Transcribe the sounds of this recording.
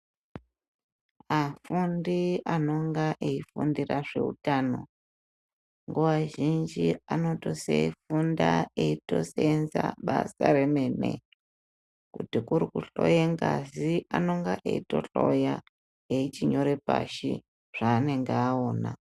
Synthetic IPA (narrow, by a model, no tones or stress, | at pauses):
afundiano̞ŋɡaʔeifundiraʐe̞̰ṵtaːno̞ | ŋɡuwaʒind͡ʒiano̞to̞seifundaeito̞senzaɓasaɾe̞menḛ | kutikuɾikuɬo̞jeŋɡaziʔano̞ŋɡaʔḛito̞ɬo̞ja | eit͡ʃiɲo̞ɾe̞pa̰ʃi | ʐ̥aːne̞ŋɡeaoːna̰